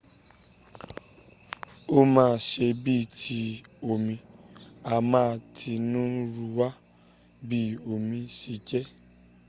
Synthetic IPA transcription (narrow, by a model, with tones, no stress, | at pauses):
o˦mãː˦˧ʃe˧bi˦˨tʰi˨˦o˨mĩ˧a˧mãː˦˧tʰi˧nũ˦ɾu˧wa˦ | bi˦o˨mĩ˧si˧˦d͡ʒɛ˦